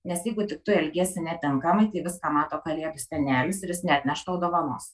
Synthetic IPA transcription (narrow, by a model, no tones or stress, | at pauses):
nʲɛsjɛɪɡʊt̪ʲɪk̚t̪ʊɪɛlʲɡʲeːsʲɪnʲɛt̪ʲɪŋkɐmɐɪt̪ɐɪʋʲɪskɑmɑːt̪oːkɐlʲiɛbʊsʲt̪ʲɛnʲæːlʲɪsɪɾjɪsnʲɛɐt̪ʲnʲæːʃt̪ɐoʊd̪oʋɐno̰ːs